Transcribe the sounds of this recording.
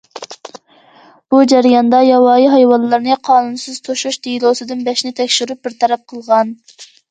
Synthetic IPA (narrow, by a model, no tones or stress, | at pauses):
b̥ud͡ʒæɾijɑnd̪ɑjɑwɑːjiɦɑjwɑlˠːɨɾnɨqʰɑːnunsɨz̥t̪ʰoʃuʃd̪ijlˠosɨd̪ɨnbɛʃnɪt̪ʰɛkʲʃyɾup̚bɪɾt̪ʰɛɾɛp̚qʰəlˠʁɑn